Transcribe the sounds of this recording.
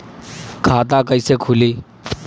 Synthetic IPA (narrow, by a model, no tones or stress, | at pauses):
kʰat̪̬akəjsekʰuliː